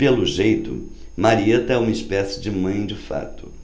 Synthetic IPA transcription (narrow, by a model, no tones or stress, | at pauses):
pelʊʒejt̪ʊ̰maɾiet̪ɐɛũmɐispɛsɪ̥d͡ʒɪmɐ̃j̃d͡ʒɪfa̰t̪ʊ